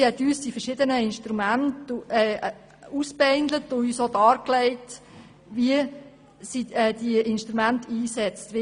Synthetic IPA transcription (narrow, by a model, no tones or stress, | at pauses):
hɛt̪yːsd̥ifɛɾʃɪdənəɪnʃtɾumæntɛː | uspɛɪndlətʊyːsodɑːɾklɛɪt | ʋiə | siɛːd̥iəʔɪnʃtɾumæntiːsɛt͡stʋi